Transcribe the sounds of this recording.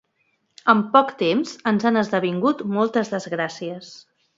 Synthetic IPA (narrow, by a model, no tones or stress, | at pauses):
əmpɔkt̪emzənzanəzðəβiŋɡut̪mɔlˠt̪əzðəzɣɾasiəs